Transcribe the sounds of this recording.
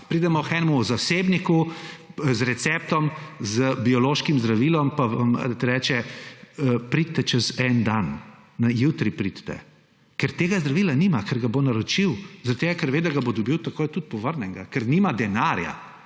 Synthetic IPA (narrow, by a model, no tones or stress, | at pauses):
pɾiːd̪ɛmɔxɛnɛmuzaseːbniku | zɾɛt̪sɛp̚t̪ɔmzəbiɔloʃkimzd̪ɾaʋiːlɔmpaʋamt̪ɛɾɛːt͡ʃɛ | pɾit̪̚t̪ːɛt͡ʃɛzɛnd̪anː | ajut̪ɾipɾit̪t̪ɛ̰ | kɛɾt̪eːɡazd̪ɾaʋiːlanimakɛɾɡabonaɾɔt͡ʃiwzɐɾɐt̪t̪eɡakɛɾʋeːd̪aɡabod̪ɔbiwt̪akojt̪ut̪̚pɔʋəɾnɛŋɡakɛɾnimad̪ɛnaɾja̰